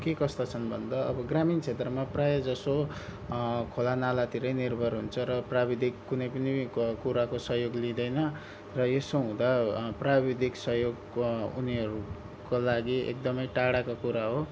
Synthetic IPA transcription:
kekʌst̪ʌt͡sʰʌnbʱʌ̰nd̪ʌːbʌɡramint͡sʰet̪rʌmaprajʌd͡zʌso | kʰolanalat̪iɾʌjnirbʱʌrɦunt͡sʰʌɾʌprabid̪ʱikːunʌjpʌnikuɾakosʌɦjoɡlid̪ʌjnʌ | rʌjesoɦũd̪aprabid̪ʱiksʌɦjoɡ | ṵniɦʌɾu | kolaɡiḛk̚d̪ʌmʌjʈaɽakokuɾaɦo

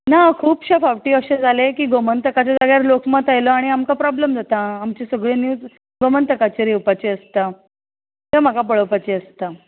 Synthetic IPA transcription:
nakʰuːpɕefaʋʈiːəɕed͡zʱalekiːɡomənt̪əkat͡ɕed͡zaɡɭjaɾlokmat̪ajlɔaɽ̃iamkapɾɔblemd͡zat̪aːmt͡ɕesəɡɭenjut͡s | ɡomənt̪əkat͡ɕeɾewpat͡ɕeəst̪a | t̪em̤akapəɭəpat͡ɕeəst̪a

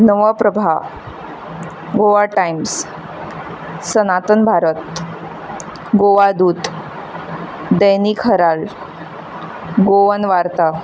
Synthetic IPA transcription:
nəʋəpɾəbʱa | ɡoʋaʈajims | sənat̪ənbʱaɾət̪ | ɡoʋad̪uːt̪ | d̪əjnikʰɦəɾal | ɡoʋənʋaɾt̪a

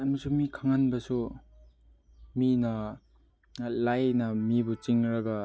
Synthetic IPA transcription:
ɐmɐsumikʰaŋanbɐsu | minɐ | lajnɐmibut͡ʃiŋɾaɡa

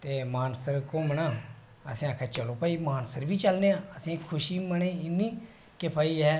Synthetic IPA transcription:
t̪eːmaːnsəɾkoːmnãː | ə̰sĩːəkʰɛːt͡ʃəloːpaːiːmaːnsəɾbiːt͡ʃəlneːãːəsĩːkʰʊʃiːməɳẽːɪnːĩː | kɪpʰaːiːɦɛː

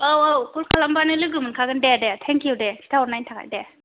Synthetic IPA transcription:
owowkulkʰalambanɯlɯɡɯmɯnkʰaɡɯndedetʰɛŋkijudesʰi̥tʰawɔɾnajntʰakʰa̰jde

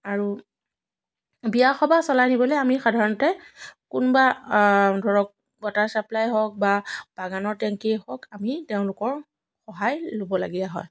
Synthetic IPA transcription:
aɹu | bijaxɔbasɔlajnibɔlɛamixadʱaɹɔnɔtɛkunba | dʱɔɹɔk̚ | bɔtaɹsaplajɦɔk̚bab̥aɡanɔɹtɛŋkihɔkamiteʊ̃lʊkɔɹ | xɔɦajlobɔla̰ɡijaɦɔ̰j

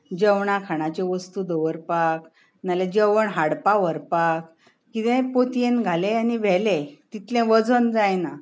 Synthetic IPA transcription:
d͡ʑəwɳakʰaɽ̃at͡ɕeʋəst̪ud̪əʋəɾpak | naled͡ʑəʋəɳɦaɽpaʋəɾpak | kit̪ɛ̃pot̪ijenɡʱalẽaniʋɛlɛ̃t̪it̪lɛ̃ʋəd͡zənd͡zajna

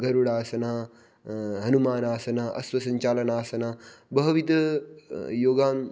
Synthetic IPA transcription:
ɡɐɾuɽaːsɐna | ɦɐnumaːnaːsɐnaʔɐ̰sʋɐsɐɲt͡ʃaːlɐnaːsɐnabɐɦɐʋid̪ɐ | joːɡaːm

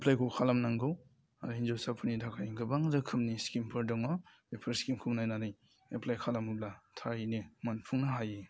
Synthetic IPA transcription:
eplajkʰɔkʰalamnaŋɡɯw | aind͡ʒosapʰɯnitʰakʰajŋɡɯbaŋdɯkʰɯmniskimpʰɯɾdɔŋɔ | epʰɐɾskimkʰumnajnanɯj | eplajkʰalamub̚latʰaɾinimanpʰuŋnɐɦaje

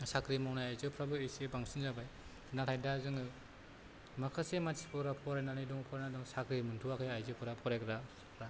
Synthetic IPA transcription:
sakɾimawnajajzɯpʰɾabɯesebaŋsinzabaj | natʰajdazɯŋɯ | makʰasematsi̥pʰɯɾapʰɔɾajnanijdɔŋpʰɔɾajnadɔŋsakɾimɯntʰuwakʰɯjajzɯpʰɯɾapʰɔɾajkɾa | kɾa

